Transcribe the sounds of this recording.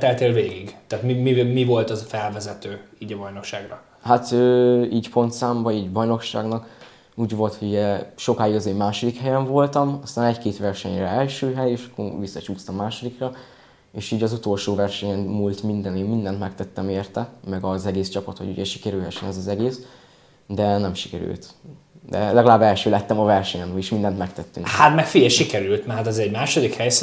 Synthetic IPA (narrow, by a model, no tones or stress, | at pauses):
t̪ɛlt̪eːlveːɡiɡt̪aːt̪mimimivo̞lt̪ɒzfɛlvɛzɛt̪øːiːɟɒbɒjno̞kʃaːɡɾɒ | hat̪øːiːɟpo̞nt̪saːmbɒiːɟbɒjno̞kʃa̰ːɡnɒk | uːɟvo̞lt̪houɟɛʃo̞kaːjiɡɒzeːmːaːʃo̞d̪ikhɛjɛɱvo̞lt̪ɒmɒst̪aːnɛckeːt̪ʋɛrʃɛɲrɛɛlʃøːɦɛjeːʃɒ̥kːo̰ʋisːɒt͡ʃuːst̪ɒmːaːʃo̞d̪ikrɒ | eːʃiːɟɒzut̪o̞lʃoːvɛrʃɛɲɛnmult̪mind̪ɛneːmmind̪ɛnt̪mɛkt̪ɛt̪ːɛmeːrt̪ɛmɛɡɒzɛɡeːst͡ʃɒpɒt̪ho̰ṵɟɛʃi̥kɛɾylɦɛʃɛnɛzɒzɛɡeːs | d̪ɛnɛmʃi̥kɛɾy̰lt̪ | d̪ɛlɛɡɒlaːbːɛlʃøːlɛt̪ːɛmɒvɛrʃɛɲɛnojiʃmind̪ɛnt̪mɛkt̪ɛt̪ːyŋhat̪mɛkfijɛʃikɛɾylt̪mɛɦat̪ɛzɛɟmaːʃod̪ikhɛjs